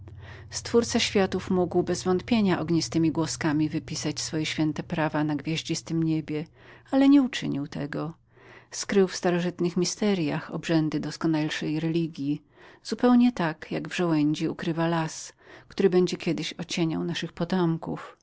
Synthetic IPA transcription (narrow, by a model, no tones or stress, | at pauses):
st̪fuɾt̪saɕfʲjat̪ufmuɡwbɛzvɔnt̪̚pʲjeɲaʔɔɡɲist̪ɘmʲiɡwɔskamʲivɘpʲisat͡ɕsfɔjɛɕfʲjɛnt̪ɛpɾavanaɡvʲjaʑd͡ʑist̪ɘmɲebʲjɛ | alɛɲɛut͡ʂɘ̰ɲiwt̪ɛ̰ɡɔ | skɾɘwfst̪aɾɔʐɘt̪nɘxmʲist̪ɛɾjaxɔ̰bʐɛnd̪ɘd̪ɔskɔnalʂɛjɾɛlʲiɡʲji | z̥upɛwɲɛt̪akjaɡvʐɔwɛɲd͡ʑiukɾɘvalaskt̪uɾɘbɛɲd͡ʑɛkʲjɛd̪ɘɕɔt͡ɕeɲa̰wnaʂɘxpɔt̪ɔmkuf